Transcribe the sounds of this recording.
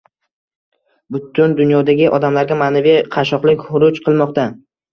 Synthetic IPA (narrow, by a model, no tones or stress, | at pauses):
bʊt̪ʰʊnd̪ʊnjɒd̪aɡʲɪʔɒd̪amlaɾɡʲamaːnaviqʰɑʃ̬ɒqlˠɪkʲhʊɾʊt͡ʃqʰɨlˠmɒqt̪a